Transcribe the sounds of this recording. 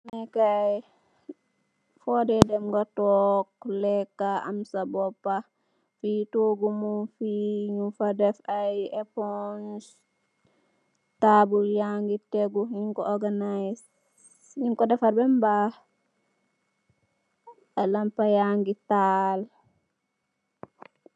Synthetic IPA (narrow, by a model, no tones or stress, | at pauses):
mɛkaj | fɔdɛdɛmɡatɔklɛkːaa̰msabɔpːa | fitoɡumufiɲufadɛfajɛpɔns | tabuljaŋɡitɛɡuɲiŋkɔɔɾɡanajs | ɲiŋkɔdɛfaɾbɛmba | alampajaŋɡital